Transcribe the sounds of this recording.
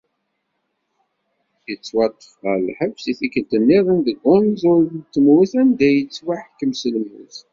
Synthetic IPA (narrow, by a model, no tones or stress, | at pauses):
jət͡sːwɑt̪ˤːə̥fʁəlħəvsiθikːəlt̪ənːiðˤənðəɡːʊnzʊɾnt̪ːəmwiθænd̪æjət͡sːwaħəkːəmsəlmṵθ